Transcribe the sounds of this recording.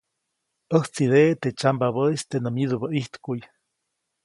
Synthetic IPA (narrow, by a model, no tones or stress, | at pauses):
əht͡sidet̪et͡ʃambaβəst̪enəmid̪ubaʔiht̪kuj